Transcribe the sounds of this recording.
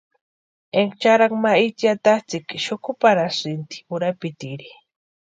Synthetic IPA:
eŋɡt͡ʃaɾaŋmait͡sjat̪at͡sɪkʃʊkʊpaɾasɾɪnt̪i̥ʊɾapit̪iɾi

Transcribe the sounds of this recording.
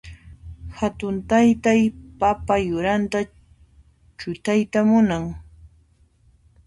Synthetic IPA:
hat̪ʊnt̪ajt̪ajpapajʊɾant̪a | t͡ʃʊt̪ajt̪amʊnaŋ

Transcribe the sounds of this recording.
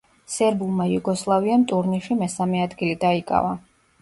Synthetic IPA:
sɛɾbulˠmajuɡɔslˠaviamt̪ʼuɾniʃimɛsamɛad̪ɡilid̪aikʼa̰va

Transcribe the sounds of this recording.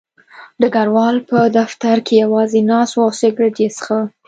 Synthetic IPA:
d̪əɡaɾwɑlpəd̪aft̪aɾkejawɑzenɑswawsɪɡɾɪʈesə̥xa

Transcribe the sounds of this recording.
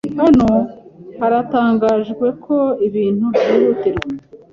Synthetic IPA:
hano̞haɾataːŋɡaːʒɡwe̞kʰo̞iβiːnubiɾutiɾɡwe

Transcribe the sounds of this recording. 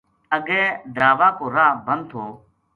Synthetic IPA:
əɡɛ̃ːd̪ɾaːʋãːkoːɾaːbʱənd̪̚t̪ʰoː

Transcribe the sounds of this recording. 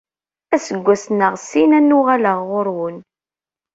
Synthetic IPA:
æsəɡʷːæsnəʁsinænːʊʁaləʁːʊɾwən

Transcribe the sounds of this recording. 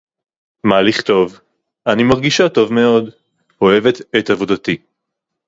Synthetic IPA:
maliχt̪o̞v | animaʁɡiʃato̞vme̞o̞d | ho̞evet̪et̪avo̞dat̪i

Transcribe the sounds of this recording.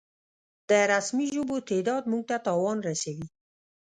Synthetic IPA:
d̪̥əɾasmiʒobot̪ʰed̪ɑd̪muɡ̚t̪at̪ɑwɑnɾasawi

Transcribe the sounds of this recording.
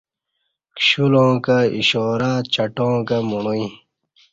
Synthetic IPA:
kɕulõːkaḭɕɔːɾat͡ɕɐʈõːkamuɳoĩ

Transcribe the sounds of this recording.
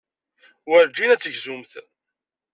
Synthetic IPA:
wəɾd͡ʒinæt͡sːəʝzumθ

